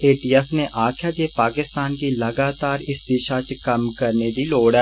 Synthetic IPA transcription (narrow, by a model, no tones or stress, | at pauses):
eːʈiːɛːfneʔaːkʰjad͡ʒepaːkɪst̪aːnkilɐɡaːt̪aːɾɪsd̪ɪʃat͡ʃkɐmkɐɾned̪iloːɽɛː